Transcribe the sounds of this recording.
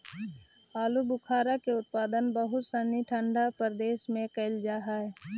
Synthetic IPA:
aːlubʊkʰaːɾakeʊt̪̚paːd̪ənbəɦʊt̪səniʈʰə̃ɳɖapəɾd̪eːʃmẽkəɪld͡ʒaːɦaːɛ

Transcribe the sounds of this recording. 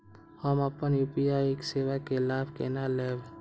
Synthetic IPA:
həməpənjuːpiaːjekseːʋakelaːbʱkeːnaleːb

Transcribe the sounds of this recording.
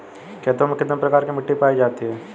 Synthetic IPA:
kɛːt̪omʊkʰːəd̪əmpɾɐkaːɾkimɪʈːipaːid͡ʒaːt̪iɦɛː

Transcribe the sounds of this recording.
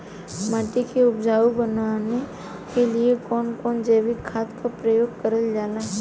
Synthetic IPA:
maːʈikeʊpd͡ʒaːubənane | keliekɔːnkɔːnd͡ʒeːʋikʰaːt̪kapɾəjoːɡ̚kəɾəld͡ʒaːnaɦɛ

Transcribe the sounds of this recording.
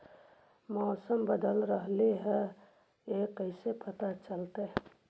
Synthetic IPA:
mɔːsəmbəd̪əlɾəɦleɦɛ̃ | ekəɪsepət̪at͡ʃəlt̪e

